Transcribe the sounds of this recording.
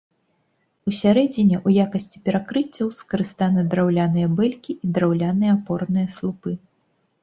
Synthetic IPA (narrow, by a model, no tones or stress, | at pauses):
usʲaɾɛd͡zʲinʲɛʔujakɐsʲt͡sʲi̥pʲɛɾakɾɨt͡sʲːɐwskɐɾɨst̪anɨd̪ɾawlʲanɨjɐbɛlʲkʲiʔid̪ɾawlʲanɨjɐːpɔrnɨjɐslˠupɨ